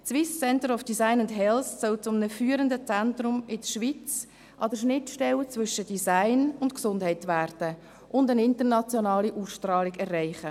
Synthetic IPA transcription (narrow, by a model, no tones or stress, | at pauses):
sʋɪst͡sɛntəɾɔfd̥isaɪnʊndɦɛlssœlt͡sʊmənəfyːəɾəndət͡sæntrʊmɪdəʃʋit͡s | ʔɑdəɾʃnɪtʃtɛlt͡svʏʃəd̥isaɪnʊntksʊndhɛɪtʋæːrd̥ə | ʔʊndənɪntəɾnɑt͡sjɔnɑːliʔuːsʃtrɑːliɡɛrːæɪχə